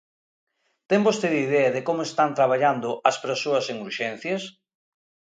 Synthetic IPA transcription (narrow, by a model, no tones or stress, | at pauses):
t̪embost̪eðiðɛɐðekomʊest̪ant̪ɾaβaʎand̪ʊʔɐspeɾsoɐseŋuɾʃɛn̟θjɐs